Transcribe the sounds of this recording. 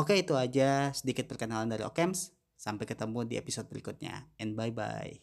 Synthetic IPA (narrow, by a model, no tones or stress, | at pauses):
ʔokeit̪uad͡ʒasədikɪt̪̚pərkənalandaɾiʔo̰kɛmsː | ampajkət̪əmudiepisod̪̚bəɾikʊt̪̚ɲa̰ɛnbajba̰j̰